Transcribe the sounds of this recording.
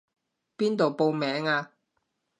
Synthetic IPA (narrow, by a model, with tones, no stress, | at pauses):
piː˥nt̪o˨wpo˧wmɛː˨˥ŋaː˧